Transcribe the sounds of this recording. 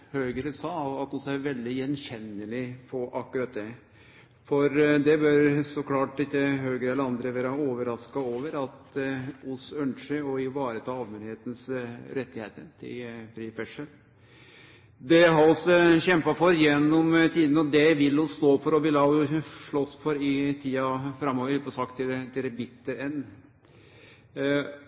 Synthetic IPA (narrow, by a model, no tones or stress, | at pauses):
høːɡəɾəsɑːɑt̪ɔsɔæɾʋɛld̪ɪjɛnɕɛnːəlɪpʰɔʔɑkːʉɾɑt̪̚d̪ɛ | fɔɾd̪ɛbøɾsɔkʰlɑːʈ̪ɪt̪ːəɦøːɡɾəɛlːəɾɑnd̪ɾəʋæːɾɑoːʋəɾɑskɑoːʋəɾɑt̪ʊsœnʂəɔɪʋɑːɾət̪ʰɑːɑːʋmenheːt̪ən̩sɾɛt̪ːɪeːt̪əɾt̪ʰɪ̰fɾiːfɛʂəɾ | d̪ɛɦɑɔsɔçɛmpɑfɔɾjɛnːɔmt̪ʰiːd̪nəɔd̪ɛʋɪlːʊst̪oːfɔɾɔʋɪlɑjʊʂɭɔsːfɔɾɪt̪ʰiːɑfɾɑmːoːʋəɾpʰɔsɑkt̪ʰːɪt̪ʰɪlɛbɪt̪ːəɾɛnː